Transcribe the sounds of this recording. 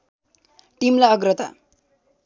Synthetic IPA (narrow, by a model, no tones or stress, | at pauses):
ʈimlaʌɡrʌt̪a̰